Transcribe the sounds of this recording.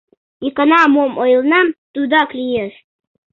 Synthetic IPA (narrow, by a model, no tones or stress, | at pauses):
ikanɑmomojlˠnɑmt̪ud̪ɑklʲijeʃ